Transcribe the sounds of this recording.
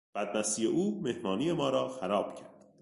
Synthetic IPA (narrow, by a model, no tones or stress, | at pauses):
b̥æd̪̚mæsiːjeʔuːme̞hmɒːniːjemɒːɾɒːxæɾɒːb̥cʰæɾd̪̥